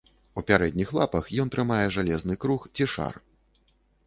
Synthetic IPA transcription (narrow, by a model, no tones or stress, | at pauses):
upʲaɾɛd̪ʲnʲixlˠapɐxjɔnt̪ɾɨmajɛʐalʲɛznɨkɾuxt͡sʲiʂa̰r